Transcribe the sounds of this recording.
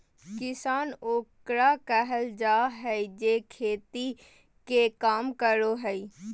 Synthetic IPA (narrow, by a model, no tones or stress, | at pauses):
kɪsaːnoːkɾakɛɦəld͡ʒaːɦɛid͡ʒekʰeːt̪i | kekaːmkəɾoɦɛi